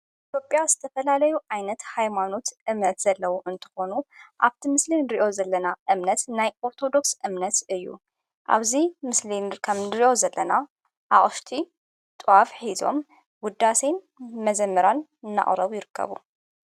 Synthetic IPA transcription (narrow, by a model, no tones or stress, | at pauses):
ʔʔit̪ʰʲjo̞pʼjazɨt̪ʰɐfɐlalɐjuʔajnɐt̪hajmano̞t̪ʔɨmnɐt̪z̥ɐlːɐwuʔɨnt̪ʰɨ̥xo̞nuʔa̰βt̪ʰimɨslinɨɾiʔo̞zɐlːɐnaʔɨmnɐt̪najʔo̞ɾt̪ʰo̞d̪o̞ksʔɨmnɐt̪ɨjːṵ | ʔa̰βzimɨslinkʰɐmnɨɾiʔo̞zɐlːɐna | ʔa̰χʼʃt̪ʰi | t̪ʼuwafħizo̞̰m | wʊd̪ːasen | mɐzɐmːɐɾanɨnːa̰χʼɾɐβjɪɾɨkʰːɐ̰βu